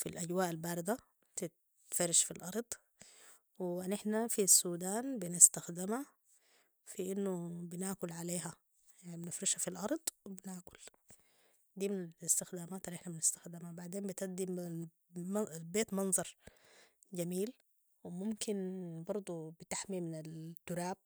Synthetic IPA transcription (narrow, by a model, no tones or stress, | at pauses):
filʔaɟwaːʔalbaːɾɪd̪a | t̪ɪt̪ | fɑɾɪʃfilʔɑɾˤd̪ˤ | wɪanɪħnafisːuːd̪aːnbɪnɪst̪axd̪ɪmha | fiʔɪnːubɪnaʕkʊlʕaleːɦa | jaʕnibɪnɪfɾiʃhafilʔɑɾˤd̪ˤwɪbɪnaːkʊ̥l | d̪iːmɪnalɪst̪ɪxd̪aːmaːt̪ʔalːʔɪħnabɪnɪst̪ḁxd̪ɪmabaʕd̪eːmbɪt̪ʔad̪im | beːt̪mɑnzˤɑɾˤ | d͡ʒamiːl | wɪmʊmkɪnbɑɾˤd̪ˤubɪt̪aħmimɪnalt̪ːʊɾaːb̚